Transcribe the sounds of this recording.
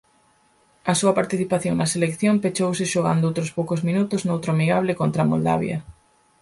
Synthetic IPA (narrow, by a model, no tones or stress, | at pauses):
ɐsuɐpaɾt̪iθipaθjoŋnɐselekθjompet͡ʃowsɪʃoɣa̰nd̪ʊowt̪ɾʊspowkozmĩnut̪ʊznowt̪ɾoamiɣaβlɪkont̪ɾamo̰ld̪a̰β̞jɐ̰